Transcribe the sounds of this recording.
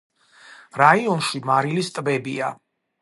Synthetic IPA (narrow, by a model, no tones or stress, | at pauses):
ɾaiɔnʃimaɾilist̪ʼbɛbḭa